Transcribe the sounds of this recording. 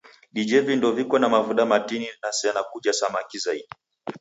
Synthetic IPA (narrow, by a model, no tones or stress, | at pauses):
ɗid͡ʒɛvindɔvikɔnamavuɗamatininasianakuʄasamakizaiɗi